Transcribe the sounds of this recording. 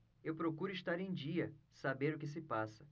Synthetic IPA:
ewpɾokuɾʊiʃt̪aɾẽj̃d͡ʒiɐsabeɾʊkɪs̬ɪpasɐ

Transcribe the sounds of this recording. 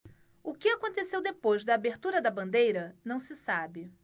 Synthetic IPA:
ʊkɪakõnt̪esewd̪epojzd̪ɐːbeɾt̪uɾɐd̪ɐbɐ̃nd̪ejɾɐnɐ̃w̃sɪsabɪ

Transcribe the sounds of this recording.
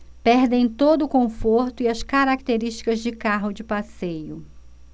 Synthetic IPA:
pɛɾd̪ẽj̃t̪od̪ʊkõfoɾt̪ʊiɐskaɾak̚t̪eɾiʃt͡ʃi̥kɐzd͡ʒɪkaɦʊd͡ʒɪpasejʊ

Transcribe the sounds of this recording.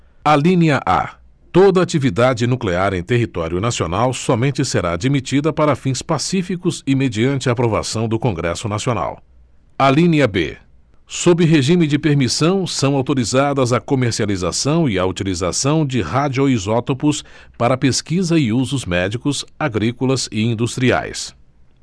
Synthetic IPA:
alĩniɐʔa̰ | t̪od̪ɐat͡ʃivid̪ad͡ʒɪnukleaɾẽj̃t̪eɦit̪ɔɾjʊnasionawsɔmẽnt͡ʃɪseɾaːd͡ʒimit͡ʃid̪ɐpaɾɐfĩspasifikʊzɪmed͡ʒiɐ̃nt͡ʃɪɐaːpɾova̰sɐ̃w̃d̪ʊkõŋɡɾɛ̰sʊnasiona̰w | alĩniɐbḛ | sobɪɦeʒĩmɪd͡ʒɪpeɾmisɐ̃w̃sɐ̃w̃awt̪oɾizad̪ɐzɐkomeɾsializa̰sɐ̃w̃ɪɐut͡ʃiliza̰sɐ̃w̃d͡ʒɪhad͡ʒioizɔt̪opʊspaɾɐpeskizɐɪuzʊzmɛd͡ʒikʊsaɡɾikʊlɐzɪĩnd̪ust̪ɾia̰js

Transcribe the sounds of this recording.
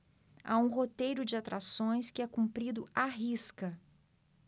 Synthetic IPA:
aũɦot̪ejɾʊd͡ʒɪat̪ɾasõj̃skɪɛkũpɾid̪ʊaɦiskɐ

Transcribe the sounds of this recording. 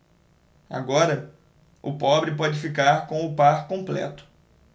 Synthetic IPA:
a̰ɡɔɾɐ | ʊ̰pɔbɾɪpɔd͡ʒɪfikaɾkõw̃ʊpaɾkõplɛ̰t̪ʊ̥

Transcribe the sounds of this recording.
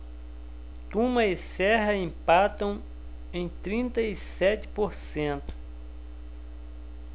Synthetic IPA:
t̪ũmɐisɛɦɐĩpat̪ɐ̃w̃ | ẽj̃t̪ɾĩnt̪ɐisɛt͡ʃ̪ɪ̥poɾsẽnt̪ʊ̥

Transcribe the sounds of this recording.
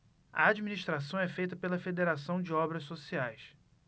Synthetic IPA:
ɐ̰ad͡ʒiminiʃt̪ɾas̬ɐ̃w̃ɛfejt̪ɐpelɐfed̪eɾasɐ̃w̃d͡ʒɪɔbɾɐʃsosiajs

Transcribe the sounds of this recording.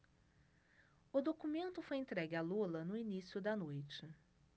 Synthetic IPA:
ʊd̪okumẽnt̪ʊfojẽnt̪ɾɛɡɪalulɐnʊinisjʊd̪ɐnojt͡ʃɪ

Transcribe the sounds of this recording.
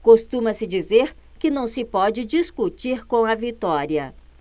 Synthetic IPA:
kost̪ũmɐsɪd͡ʒizeɾkɪnɐ̃w̃sɪpɔd͡ʒɪd͡ʒiskut͡ʃiɾkõw̃ɐvit̪ɔɾiɐ

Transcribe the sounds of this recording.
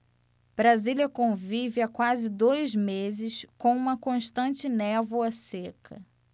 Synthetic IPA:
b̥ɾaziliɐkõvivɪakwazɪd̪ojzmezɪʃkõũmɐkõʃt̪ɐ̃nt͡ʃɪnɛvoɐsekʰɐ

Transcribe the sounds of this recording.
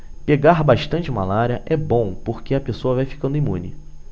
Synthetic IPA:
peɡaɾbaʃt̪ɐ̃nt͡ʃɪumalaɾiɐʔɛbõw̃poɾkeɐpesoɐvajfi̥kɐ̃nd̪ʊimũnɪ

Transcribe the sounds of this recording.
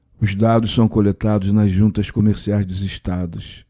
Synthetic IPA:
ʊzd̪ad̪ʊssɐ̃w̃kolet̪ad̪ʊznɐzʒũnt̪ɐskomeɾsiajzd̪ɪziʃt̪ad̪ʊs

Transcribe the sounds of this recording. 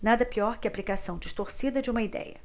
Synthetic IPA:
nad̪ɐpiɔɾkɪaplikasɐ̃w̃d͡ʒiʃt̪oɾsid̪ɐd͡ʒɪũmɐid̪ɛ̰jɐ̰

